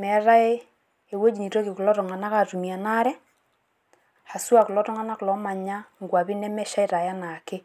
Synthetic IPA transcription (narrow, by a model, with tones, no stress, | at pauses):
mɛ˨˦ɾa˦e˦ | e˨wo˦d͡ʒi˨ni˨to˦kɪ˨ku˨lɔ˦tɔ˨ŋa˨na˦ka˨tu˨mi˨a˨na˦ɾɛ˦ | ha˨su˦a˨ku˨lɔ˦tɔ˦ŋa˦na˦klɔ˨˦ma˨ɲa˦ŋɡwa˨βi˦nɛ˦mɛ˦ʃa˦i˦ɾa˨ja˦na˨kɪ˦